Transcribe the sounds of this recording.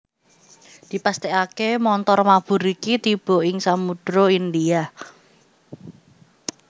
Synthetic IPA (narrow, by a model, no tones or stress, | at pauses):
d̪̥i̤past̪ekakemɔnt̪ɔrmab̥ṳɾikit̪ib̥ɔ̤ɪŋsamuɖ̥ɾoind̪ia